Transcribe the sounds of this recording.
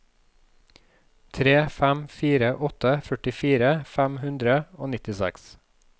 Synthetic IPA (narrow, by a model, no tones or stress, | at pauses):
t̪ʰɾeːfæmfiːɾəʔɔt̪əfœʈɪfiːɾəfæmhʉnd̪ɾəoːnɪt̪ɪsæ̰ks